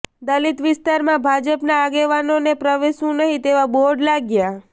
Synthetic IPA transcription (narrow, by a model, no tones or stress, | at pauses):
d̪əlit̪ʋɪst̪aɾmãbʱad͡ʒəpnaːɡeʋanonepɾəʋeʃũnəɦĩt̪eʋaboɽlaɡja